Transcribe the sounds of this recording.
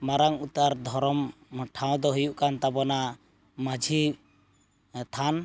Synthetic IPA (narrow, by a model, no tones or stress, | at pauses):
maɾaŋut̪aɾd̪ʱɔɾɔmʈʰaw̃d̪ɔɦujuʔkant̪abɔna | mad͡ʒʱi | t̪ʰan